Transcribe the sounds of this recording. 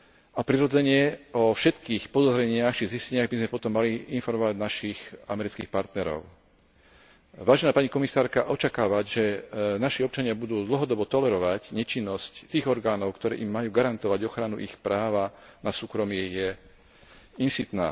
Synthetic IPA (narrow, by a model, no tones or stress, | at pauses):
apɾiɾɔd͡zɛɲɪɛɔfʃɛt̪kiːxpɔd̪ɔzɾɛɲɪaxt͡ʃiziscɛɲɪaɣbizmɛpɔt̪ɔmːaliinfɔɾmɔʋaɟnaʃixa̰mɛɾit͡skḭːxpaɾt̪nɛɾɔ̰ʊ | ʋaːʒɛnaːpaɲikɔmisaːɾkaʔɔt͡ʃakaːʋaɟʒɛnaʃiɔp̚t͡ʃaɲɪabud̪uːd̪l̩ɦɔd̪ɔbɔt̪ɔlɛɾɔʋacɲɛt͡ʃinːɔsct̪iːɣɔɾɡaːnɔʊkt̪ɔɾɛ̰ːʔimːajuːɡaɾant̪ɔʋaɟɔxɾanuʔixpɾaːʋanasuːkɾɔmɪɛjɛ | insit̪na̰ː